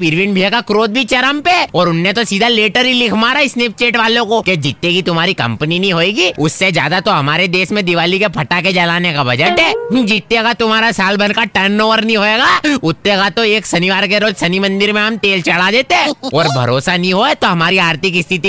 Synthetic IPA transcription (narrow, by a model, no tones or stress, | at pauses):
pɪɾʋɪnbʱiakakɾoːd̪̚bʱit͡ʃɐɾəmpeɔːɾʊnːet̪osiːd̪ʱaleːʈəɾilɪkʰmaːɾaɪsneːp̚t͡ʃeːʈʋaːlõkoked͡ʒɪt̪ːekit̪ʊm̤ɦaːɾikɐ̰̃mpəninĩɦoːeːɡiʊsːed͡ʒja̰ːd̪at̪oɦɐmaːɾed̪eːsmẽd̪ɪʋaːlikepʰɐʈaked͡ʒɐlaːnekabʱɐd͡ʒəʈɦɛd͡ʒit̪ːekat̪ʊm̤aːɾasaːlbɐnkaʈɐnːoːʋəɾnĩɦoːeːɡaːʊt̪ːekat̪oeːksɐniʋaːɾk̬eɾoːd͡ʒsɐnimɐ̃nd̪ɪɾmẽɦɐmt̪eːlt͡ʃɐɭ̤ad̪eːt̪eɦɛ̃ːɔːɾbʱɐ̰ɾoːsanĩɦoɛt̪oɦɐmaːɾiaːɾt̪ʰɪkɪst̪ʰɪt̪i